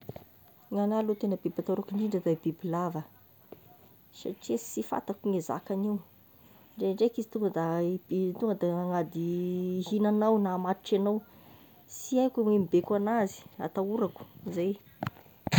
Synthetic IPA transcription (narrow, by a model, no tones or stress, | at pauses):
ŋanalot̪enəbibat̪aɾukiɳɖ͡ʐiɳɖ͡ʐad̪aibibilavə | sa̰ʈ͡ʂesifa̰t̪akuŋeza̰kaniw | ɳɖ͡ʐeɳɖ͡ʐekizit̪uŋɡəd̪abit̪uŋɡəd̪aaŋad̪iɦinanawnamaɾiʈ͡ʂanaw | siajkʲamemibekanazi̥a̰t̪auɾaku̥zaj